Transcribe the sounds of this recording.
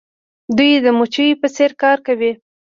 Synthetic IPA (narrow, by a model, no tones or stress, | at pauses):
d̪ujd̪əmut͡ʃəjipəseɾkɑɾkawi